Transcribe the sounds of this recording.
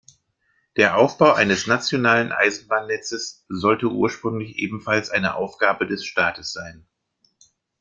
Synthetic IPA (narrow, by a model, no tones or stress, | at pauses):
d̥eːɐʔaʊfb̥aʊʔaɪnəsnat͡sjonaːlənʔa̰ɪzn̩baːnːɛt͡səszɔltəʔṵːɐʃpʁ̥ʏŋlɪçʔḛːbm̩falsʔaɪnəʔa̰ʊfɡ̥aːbədɛsʃtaːtəsz̥aɪn